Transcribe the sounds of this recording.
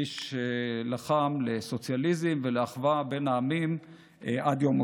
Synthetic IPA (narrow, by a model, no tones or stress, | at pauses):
iʃelaχamleso̞t͡sjalizimveleaχvabe̞naːmim | ʔad̪jomo